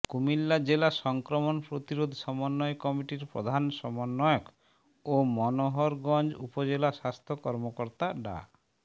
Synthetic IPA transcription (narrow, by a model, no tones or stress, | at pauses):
kumilːad͡ʒelasɔŋkɾɔmɔnpɾot̪iɾod̪ʱsɔmɔnːɔjkɔmiʈiɾpɾo̰d̪ʱansɔmɔnːɔjɔk | omɔnoɦɔɾɡɔnd͡ʒupɔd͡ʒelasast̪ʰokɔɾmokɔɾt̪aɖa̰